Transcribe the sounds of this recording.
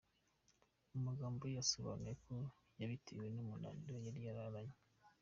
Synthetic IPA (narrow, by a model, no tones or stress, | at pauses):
umaɡaːmbojasoβa̰nujeko̞ | jaβitewe̞numula̰ːndojaɾjaɾaβaɲe